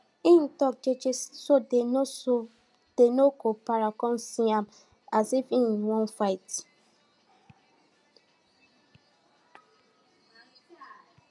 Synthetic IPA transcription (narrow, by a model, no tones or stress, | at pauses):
ĩn̩tɔk̚d͡ʒed͡ʒessodeoo | d̥enokopaɹakɔ̃nsĩãm | asifĩwɔ̃nfaɪt